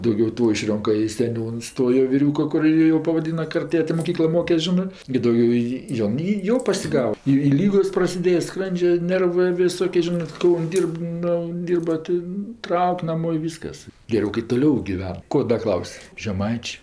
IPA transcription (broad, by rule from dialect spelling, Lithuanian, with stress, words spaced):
dɐʊˈɡʲɛʊ ˈtoː ɪˈʃʲrʲoːŋkɐ ɪ sʲɛˈnʲuːns ˈtoː joː ʋʲɪˈrʲuːkoː ˈkʊr ˈjiː jɛʊ pɐʋɐˈdʲiːnɐ ˈkɐrt ˈeːjɛtʲ ɪ moːˈkʲiːklˠoː ˈmoːkʲɛsʲ ˈʒʲɪnɜ ɡʲɪ ˈdɐʊɡʲoː jiː ˈjoːn ˈiː ˈjoː pɐsʲɪˈɡɑːʋɐ ˈiː ɪ ˈlʲiːɡoːs prɐsʲɪˈdʲeːjɛ ˈskrɐnʲd͡ʒʲɛ ˈnʲɛrʋɜ ʋʲɪˈsoːkʲeː ˈʒʲɪnɜ ˈkɐʊnʲ ˈdʲiːrp ˈnoː ˈdʲiːrbɐ tʲɪ ˈtrɐʊkʲ ˈnɑːmoː ɪ ˈʋʲiːskɐs ɡʲɛˈrʲɛʊ kɐɪ toːˈlʲɛʊ ɡʲɪˈʋʲɛn ˈkoː ˈdɐ ˈklˠɐʊsʲ ʒʲɛˈmɐɪt͡ʃʲeː